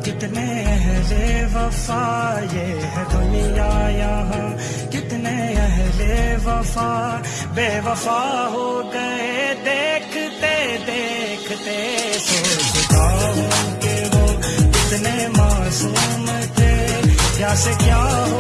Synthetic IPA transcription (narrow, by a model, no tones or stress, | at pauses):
kɪt̪ne | ɛɦleʋɐfaːje | ɦɛd̪ʊnijaːjaːɦɛ̃ | kɪt̪neɛɦleʋɐfaː | beːʋɐfaːɦokeed̪eːkʰt̪ed̪eːkʰt̪esebʊt̪aːɦokeʋoːɪt̪nemaːsuːm | t̪ʰe | kjaːsekjaːɦo